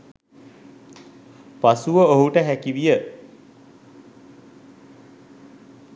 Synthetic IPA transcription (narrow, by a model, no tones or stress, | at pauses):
pasuʋəoɦuʈəɦækiʋijə